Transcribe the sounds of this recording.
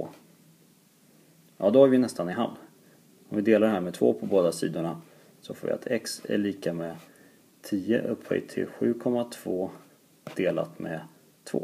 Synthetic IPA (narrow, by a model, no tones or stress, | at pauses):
oː | jɑːd̪ɔhaɾvɪnɛst̪anɪɦa̰vn | ɔmvɪd̪eːlaɾɖɛhæːɾmɛt̪ʰvo̰ːpʰɔboːd̪asḭːd̪ʊɳa | sɔfoːvɪ̰a̰t̪ʰɛksɛ̰ɭiːkamɛ | t̪ʰiːə̰ʔɵpʰːhœ̰ɡt̪ʰːɪ̰lɧʉ̟ːkʰɔmːat̪ʰv̥oː | d̪̥eːla̰t̪mɛ̰ | t̪ʰvo̰ː